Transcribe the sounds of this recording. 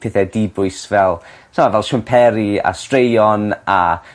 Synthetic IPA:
pʰeθɛdibʊɨsvɛlˠ | samavɛlˠʃʊmpʰɛɾia̰strejɔna

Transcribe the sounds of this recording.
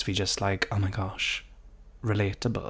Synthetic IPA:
swid͡ʒʌstlaɪkʰɑnəɡʰɑʃ | ɹɪletəbə̰l

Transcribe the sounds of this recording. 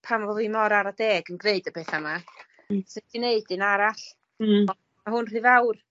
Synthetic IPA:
pʰamvɔðimɔɾaɾadeːɡənɡneɨdəbeːθama | sɪd̥ʰineɨd̥ɨnaɾaɬ | ɔ | maɦʊnr̥ɨvawr

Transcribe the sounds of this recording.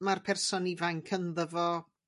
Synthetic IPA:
marpʰɛrsɔnivajnkʰənðəvɔ

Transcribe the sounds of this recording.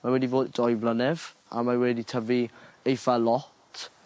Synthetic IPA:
mawɛdivoːddɔjblənɛv̥a̰mawɛditʰəviejfalˠɔtʰ

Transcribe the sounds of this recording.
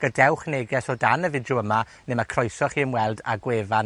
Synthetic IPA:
ɡ̥ədɛwχneːɡɛsɔdanəvɪdjuəma | nɪmakʰrɔjsɔχiəmwɛlˠda̰ɡweːvan

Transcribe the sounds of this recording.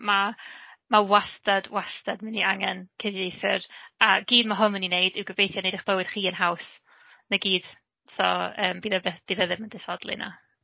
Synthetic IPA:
mamawastad̥wastadmɪniaŋɛnkʰɪvjejθɪraɡiːdmaɦʊnəninejd̥ɪwɡəvejθjɔnejdɪχb̥əwɨd̥χiːənɦaws | nəɡiːd̥ | sɔəːmbiðəbb̥iðəðɪməndɪsɔdlˠḭna̰

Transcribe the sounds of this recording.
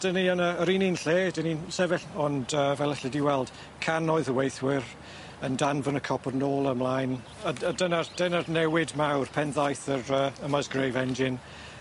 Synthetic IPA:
d̥əniɔnəɾininɬeːdəninsɛvɪɬɔndəvɛlˠəɬədiwɛlˠd̥ | kʰanɔɨðəwejθwɪɾ | əndanvənəkʰɔpʰɔrnoːlˠəmlˠajn | ədənard̥ənarnɛwɪdmawrpʰɛnðajθəɾəːəmazɡrejvɛnd͡ʒɪn

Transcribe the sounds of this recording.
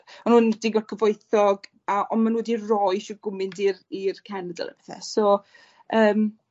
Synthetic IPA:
anhuːndɪɡɔkʰəvoɨθɔɡ | aʔɔnmanuːdirɔjʃɔɡʊmɪndirirkʰɛnədə̰lˠə̰pʰɛθɛ̰sɔ | əːm

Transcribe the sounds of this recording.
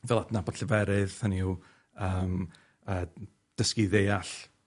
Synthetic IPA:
vɛlˠadnabɔtɬʰəvɛɾɨðhəniu | əːm | əː | d̥əskiðejaɬ

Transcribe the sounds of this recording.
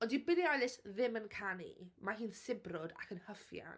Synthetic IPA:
ɔdibɪðiɔjlˠɪsðɪmənkʰanḭmaɦiːnsɪbrʊda̰kʰənhəfja̰n

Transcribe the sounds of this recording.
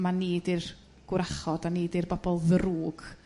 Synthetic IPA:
maniːdɪr | ɡ̥wɾaχɔdaniːdɪrbɔbɔlˠðəɾuːɡ̥

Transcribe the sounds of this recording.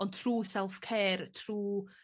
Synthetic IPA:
ɔntʰruːsɛlˠfkʰɛːrtʰruː

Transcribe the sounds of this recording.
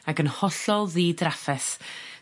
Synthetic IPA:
aɡənhɔɬɔlˠðiːdrafɛs

